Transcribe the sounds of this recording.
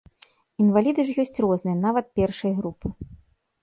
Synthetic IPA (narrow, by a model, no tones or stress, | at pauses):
invalʲid̪ɨʐjɔsʲt͡sʲrɔznɨjɐnavɐt̪̚pʲɛrʂɐjɣɾupɨ